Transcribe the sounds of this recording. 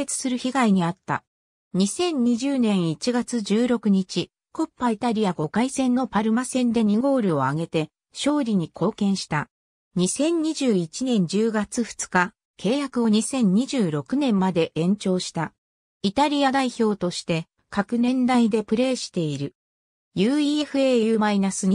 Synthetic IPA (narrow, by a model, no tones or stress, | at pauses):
et͡sɨ̥sɨɾɯ̟çiɡaiɲ̟iat̪ːa̰ | ɲ̟isẽ̞ɲ̟ɲiʑɨːnẽ̞ɰ̃it͡ɕiɡat͡sɨd͡ʑɨːɾo̞kɯ̟ɲ̟it͡ɕi | ko̞pːait̪aɾʲiaɡo̞kaisẽ̞nːo̞paɾɯ̟masẽ̞nd̪e̞ɲ̟iɡo̞ːɾɯ̟o̞aɡe̞t̪e̞ | ɕo̞ːɾʲiɲ̟ikʰo̞ːkẽ̞ɰ̃ɕi̥t̪a | ɲ̟isẽ̞ɲ̟ɲiʑɨːit͡ɕinẽ̞ɲ̟d͡ʑɨːɡat͡sɨɸɯ̟̥t͡sɨ̥ka | kʰe̞ːjakɯ̟o̞ɲ̟isẽ̞ɲ̟ɲːiʑɨːɾo̞kɯ̟nẽ̞mːad̪e̞ʔẽ̞ɲ̟t͡ɕo̞ːɕi̥t̪a | it̪aɾʲijad̪aiço̞ːt̪o̞ɕi̥t̪e̞ | kakɯ̟nẽ̞nd̪aid̪e̞pɯ̟ɾe̞ːɕi̥t̪e̞iɾɯ̟ | jɯːieɸɯ̟ejɯmainasɨi